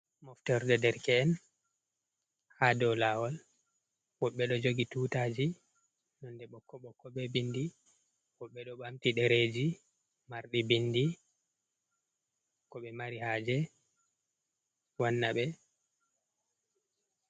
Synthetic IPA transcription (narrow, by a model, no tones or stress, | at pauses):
mɔftɛɾdɔdɛɾkɛːn | hadɔlawɔl | wɔɓːɛɗɔd͡ʒoɡitutad͡ʒi | nɔndɛɓɔkːɔɓɔkːɔɓɛbindi | wɔɓːɛɗɔɓamtiɗɛɾed͡ʒi | maɾɗibindi | kɔɓɛmaɾihad͡ʒɛ | wanːaɓɛ